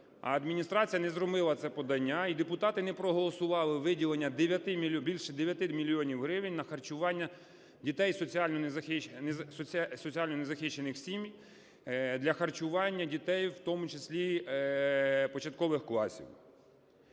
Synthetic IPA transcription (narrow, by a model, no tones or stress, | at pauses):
ɐ̰ɐd̪mʲinʲist̪ɾɑt͡sʲijɐnɛzɾɔbɪlˠɐt̪sɛpɔd̪ɐnʲːaid̪epʊt̪ɑt̪ɪnɛpɾɔɦɔlˠɔsʊʋɑlˠɪʋɪdʲilˠenʲːɐd̪eʋʲjɐt̪ɪmʲibʲilʲʃɛd̪eʋʲjɐt̪ɪmʲilʲːijɔnʲiwɦɾɪʋɪnʲnɐxɐrt͡ʃʊʋɑnʲːɐ | dʲit̪ɛjsɔt͡sʲiɑlʲnɔnzɐxɪnsɔsɔt͡sʲiɑlʲnɔnɛzɐxɪʃt͡ʃːenɪxsʲimʲj | d̪lʲɐxɐrt͡ʃʊʋɑnʲːɐdʲit̪ɛjwt̪ɔmʊt͡ʃesʲlʲi | pɔt͡ʃɐt̪̚kɔʋɪxklˠɑsʲḭw